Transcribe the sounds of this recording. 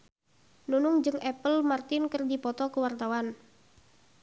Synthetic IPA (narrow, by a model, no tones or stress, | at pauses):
nunʊŋd͡ʒɨŋɛpəlmart̪ɪnkərdipɔt̪ɔkəwart̪awan